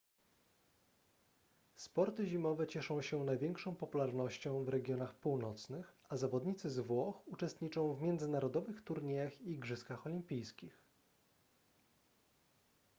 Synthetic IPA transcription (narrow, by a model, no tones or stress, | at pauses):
spɔɾt̪ɘʑimɔvɛt͡ɕɛʂɔ̃w̃ɕɛnajvʲjɛŋkʂɔ̃w̃pɔpulaɾnɔɕt͡ɕɔ̃w̃vɾɛɡʲjɔnaxpuwnɔt̪snɘx | azavɔd̪ɲit̪sɘzvwɔxut͡ʂɛst̪ɲit͡ʂɔ̃w̃vmʲjɛnd̪zɘnaɾɔd̪ɔvɘxt̪uɾɲɛjaxiɡʐɘskaxɔlʲimpʲijskʲix